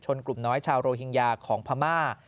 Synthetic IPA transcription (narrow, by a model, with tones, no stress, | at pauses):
t͡ɕʰo˧nklu˨˩mnɔː˦˥jt͡ɕʰaː˧wɾoː˧ɦi˧ŋjaː˧kʰɔː˩˦ŋpʰaː˧maː˥˩